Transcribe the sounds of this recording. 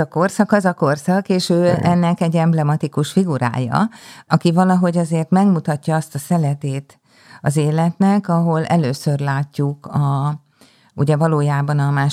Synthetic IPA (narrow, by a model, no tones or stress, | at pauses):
ɒko̞rsɒkɒzɒko̞rsɒkeːʃøːɛnːɛkɛɟːɛmblɛmɒt̪ikuʃfiɡuɾa̰ːjɒ̰ɒkivɒlɒɦo̞ɟɒzeːrt̪mɛɡmut̪ɒcːɒɒst̪ɒsɛlɛt̪eːt̪ | ɒzeːlɛt̪nɛkɒɦo̞lɛ̰løːsørlaːcːukɒ | ṵɟɛvɒloːjaːbɒnɒmaːʃ